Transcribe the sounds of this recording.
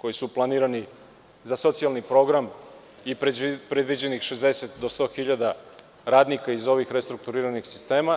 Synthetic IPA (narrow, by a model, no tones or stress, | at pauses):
ko̞jisuplˠaniːɾani | zaso̞t̪sialˠnipɾo̞ɡɾam | ippɾed̪ʋid͡ʑenixʃe̞zd̪eset̪d̪o̞st̪o̞ːxiʎad̪a | ɾaːd̪nikaizo̞ʋixɾest̪ɾuk̚t̪uɾiɾanixsi̥st̪e̞ːma